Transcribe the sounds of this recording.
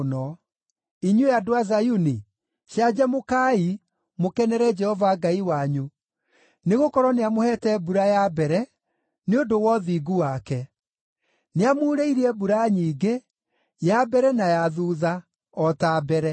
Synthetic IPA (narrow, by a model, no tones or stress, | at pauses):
nɔ | iɲweadoazajuni | ʃad͡ʑamokai | mokɛnɛɾɛd͡ʒɛhɔvaɡaiwaɲu | neɣokɔɾɔneamohɛtɛbuɾajabɛɾɛ | neondowɔðiɡuwakɛ | neamoːɾeiɾiɛbuɾaɲiːɡe | jabɛɾɛnajaðuːða | ɔtabɛɾɛ